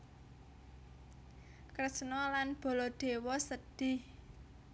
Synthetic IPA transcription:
krəsnɔlanb̥ɔ̤lɔd̪̥e̤wɔsəd̪̥ɪh

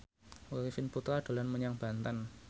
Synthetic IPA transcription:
woɾifɪnput̪ɾaɖ̥o̤lanməɲaŋb̥a̤nt̪an

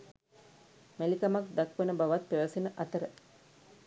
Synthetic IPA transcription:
mælikamakd̪akʋenəbaʋat̪̚peʋɐsinəʔɐt̪əɾə

